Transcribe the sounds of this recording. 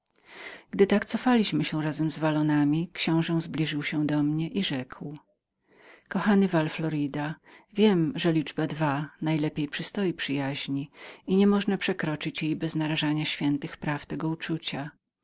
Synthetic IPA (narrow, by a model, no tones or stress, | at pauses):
ɡ̥d̪ɘt̪akt̪sɔfalʲiɕmɘɕɛɾazɛmzvalɔnamʲikɕɔ̃w̃ʐɛw̃zblʲiʐɘwɕɛd̪ɔmɲɛʔiʐɛkʰw | kɔxanɘvalflɔɾɨd̪avʲjɛmʐɛlʲid͡ʐbad̪vanajlɛpʲjejpʂɨst̪ɔjipʂɘjaʑɲiiɲɛmɔʐnapʂɛkɾɔt͡ʂɘt͡ɕjejbɛznaɾaʐaɲaɕfʲjɛnt̪ɘxpɾaft̪ɛɡɔut͡ʂut͡ɕa